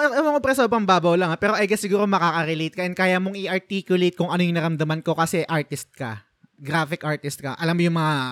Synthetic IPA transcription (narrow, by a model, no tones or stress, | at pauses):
ɛmoŋobɾɛsobɾɐŋbaːbɐwlɐŋapɛːɾo̞ʔɐjɡɛsːɪɡuːɾomɐkakɐɾɛlejt̪̚kɐʔɛnkaːjamoŋɪʔɐɹt̪ikjʊlejt̪̚kʊŋʔɐnojʊŋnɐɾɐmd̪ɐmanko̞kɐsɛʔaɹt̪ɪst̪̚kɐ̰ | ɡɾaːfɪkʔaɹt̪ɪst̪̚kɐʔɐlamːojʊŋmɐŋa